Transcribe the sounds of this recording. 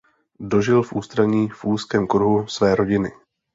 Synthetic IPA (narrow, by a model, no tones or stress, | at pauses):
do̞ʒɪlfʔuːst̪ɾaɲiːfʔuːskɛːmkɾuɦusvɛːɾo̞ɟɪnɪ